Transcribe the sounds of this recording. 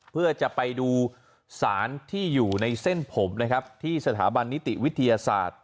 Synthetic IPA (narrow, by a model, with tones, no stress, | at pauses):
pʰɯ˥˩ɐt͡ɕa˨˩ʔpa˧jduː˧ | saː˩˦nt̪ʰiː˥˩juː˨˩na˧jse˥˩npʰo˩˦mna˦˥kʰa˦˥p̚t̪ʰiː˥˩sa˧t̪ʰa̰ː˩˦ba˧nːi˦˥t̪i˨wi˦˥t̪ʰːa˧jaː˧sa̰ː˨˩t̪̚